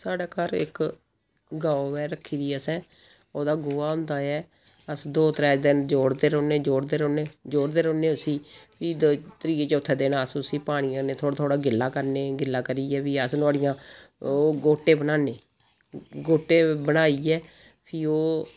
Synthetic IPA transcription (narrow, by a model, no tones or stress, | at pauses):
saːɖaːkaɾɪ̰k | ɡaːoʋɛːɾəkʰːiːd̪iːəsɛ̃ː | oːd̪aːɡʊːaːɦʊ̃nd̪aːɛː | əsd̪oːt̪ɾɛːd͡ʒd̪ɪnd͡ʒoːɽd̪eːɾoːneːd͡ʒoːɽd̪eːɾoːneːd͡ʒoːɽd̪eːɾoːneːʊsiːpʰiːd̪t̪əɾiːeːt͡ʃːʊt̪ʰːɛːd̪eːnaːəsʊsiːpaːɽ̃ijãːneːt̪ʰoːɽt̪ʰoːɽaːɡɪlːãːkəɾneːɡɪlːãːkəɾiːɛːpiːəsnʊaːɽɪjãːoːɡoːʈːeːbənaːneː | ɡoːʈːeːbəɽ̃aːiːɛː | pʰiːoː